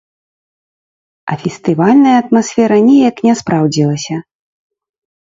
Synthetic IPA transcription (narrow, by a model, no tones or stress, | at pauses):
ɐ̰fʲɛst̪ɨvalʲnɐjɐːt̪masʲfʲɛɾɐnʲɛjaknʲɛspɾawd͡zʲilˠɐsʲɐ